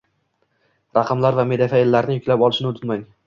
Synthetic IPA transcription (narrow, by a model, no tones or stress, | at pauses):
ɾɑqʰɑmlaɾvame̞d̪afaelːaɾnɪjʊkʲlapɒlˠɪʃɪnɪʊt̪ʰɪt̪maŋ